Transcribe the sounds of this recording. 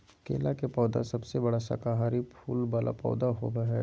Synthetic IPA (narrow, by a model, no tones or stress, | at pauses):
kḛːlakepɔːd̪a̰sɐbsebɐɽasa̰kaɦaːɾipʰuːlbala̰pɔ̰ːd̪aɦo̰ːɡaɦɛː